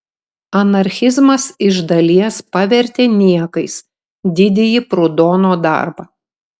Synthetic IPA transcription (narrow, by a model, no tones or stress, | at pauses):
ɐnɐɾʲxʲɪzmɐsɪʒd̪ɐlʲiɛspɑʋʲɛɾʲt̪ʲeːnʲiɛkɐɪs | d̪ʲɪd̪ʲɪjipɾʊd̪oːnoːd̪ɑ̰ˑɾbɐ